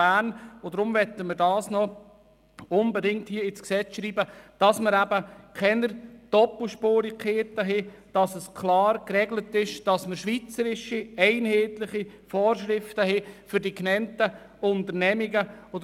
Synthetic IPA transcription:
æːnodɾʊmʋɛtəməɾdɑːsnɔ | ʊnbɛdɪŋ̚thiəɪsksɛt͡sʃɾiːbəd̥ɑsməɾæbəkʰɛnəɾd̥ɔpl̩ˠʃpoːɾikχeːtəɦɛd̥ɑsəskʰlɑːɾkɾɛɡlətɪʃd̥ɑsməɾʃʋit͡səɾɪʃiɛɪnhɛːtlɪχifɔːɾʃɾɪftəɦɛfʏɾdiknɛntə | ʊntəɾnɛmiɡəɔd

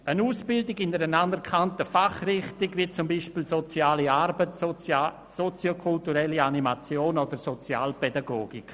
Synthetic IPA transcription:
ənuːsb̥ɪldɪɡɪnəɾənandɛɾkʰantəfaχrɪχtiɡvit͡sʊmbiːʃpiːlsot͡siaːliarbətː | sot͡sjokʰultuɾɛlianimat͡sjoːnodəɾsot͡sja̰ːlpɛdaɡoːɡik

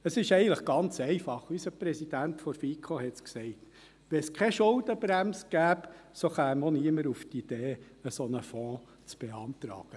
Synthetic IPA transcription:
əsɪʃɛɪɡəntləχɡ̥ɑnt͡sɛɪfɑχysəpɾɛsid̥æntfɔɾfikʰohɛtsksɛɪt | ʋɛnskʰɛʃʊld̥̪əbɾæmsɡ̥æːpsoχæːmoniəməɾuftid̥eː | əsɔnəfɔ̃ː | t͡sb̥eɑnt̪ɾɑ̰ːɡ̥ə

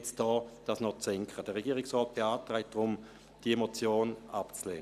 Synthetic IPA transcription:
t͡sd̥ɔːd̥asnɔt͡sɛŋkχəd̥əʁeɡiːɪksʁɔːt̚b̥eaːtʁaɪt̚d̥ʁʊm | d̥iemot͡sjoːnapt͡slḛːn

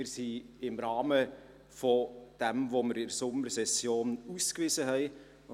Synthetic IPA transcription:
ɪɾsi | ɪmɾɑːmə | fod̥ɛmvoməɾɪdsʊməɾsɛsjoːnuːskvɪzəɦɛɪ

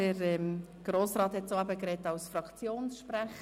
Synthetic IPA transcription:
əɾɛmɡ̥ɾoːsɾɑːthɛtsoːæbəkɾɛtɑwsfɾɑkt͡sjoːnsʃpɾæχ

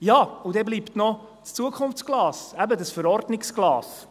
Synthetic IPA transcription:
jɑːudɛbliːptnɔ | st͡suəkʰʊnft͡sɡ̥lɑːsæbədəsfəɾɔɾdnɪksɡ̥lɑːs

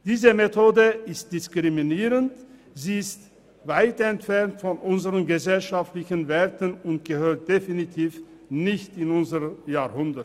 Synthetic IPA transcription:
d̥iːzəmetʰoːdəɪst̚d̥ɪskʁ̥iminiːʁənt | ziːɪst | vaɪtɛntfɛɐntfɔnʔʊnzəʁənɡəzɛlʃaftlɪçənveːɐtənʊntɡ̥əhøːɐt̚d̥efinitʰiːfnɪçtɪnʊnzəʁəjaːɐhʊndət

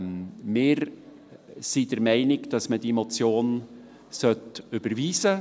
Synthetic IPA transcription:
mɪːɾ | sid̥əɾmæɪnɪɡd̥ɑsmədiɛmot͡sjoːn | sœtʉb̥əɾviːzə

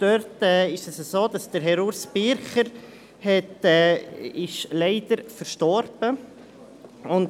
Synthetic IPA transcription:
d̥œɾtɛːɪʃɛsəsoːd̥ɑsd̥əɾɦɛɾuɾsbɪɾχəɾ | hɛtɛːɪʃlɛɪd̥əɾfəɾʃtɔɾb̥ə | ʊnd

